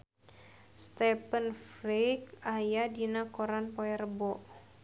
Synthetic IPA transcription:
st̪ɛpənfɾikajadinakɔɾanpɔɛrəbɔʔ

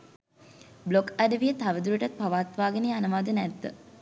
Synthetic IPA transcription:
blokæɖəʋijət̪aʋəd̪uɾəʈat̪̚paʋaːt̪ʋaːɡənejanəʋaːd̪ənɛd̪ːə

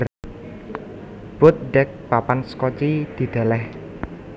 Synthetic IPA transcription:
b̥ʊt̪̚ɖɛk̚papanskɔt͡ʃid̪̥i̤d̪̥a̤lɛh

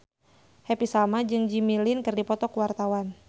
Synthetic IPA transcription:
hɛpisalmad͡ʒɨŋd͡ʒimilinkɨrdipɔt̪ɔkuwart̪awan

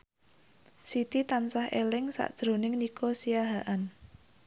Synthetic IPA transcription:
sit̪it̪ansahelɪŋsa̰ʔd̥ʒ̥ɾo̤nɪŋnikosiaɦaʔan

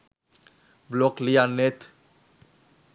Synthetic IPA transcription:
blɔklijanet̪

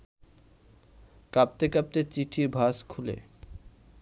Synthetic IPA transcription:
kap̚t̪ekap̚t̪et͡ɕiʈʰiɾbʱaskʰulḛ

